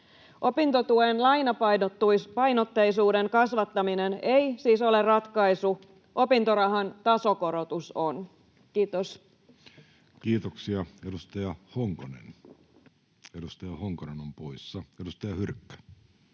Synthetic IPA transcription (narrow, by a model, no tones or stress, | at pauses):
ʔo̞pint̪ot̪uenlɑjnɑpɑpɑjnot̪ːejsuːde̞ŋkɑsʋɑt̪ːɑminenejsiːso̞lerrɑt̪kɑisu | ʔo̞pint̪oɾɑɦɑnt̪ɑso̞ko̞ɾo̞t̪uson | kiːt̪os | kiːt̪oksiɑedust̪ɑjɑhoŋkonḛn | edust̪ɑjɑhoŋkonenompoisːɑedust̪ɑjɑhyrkːæ̥